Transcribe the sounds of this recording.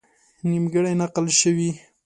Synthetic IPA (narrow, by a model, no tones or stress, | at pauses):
nimɡəɽajnaqəlʃəwi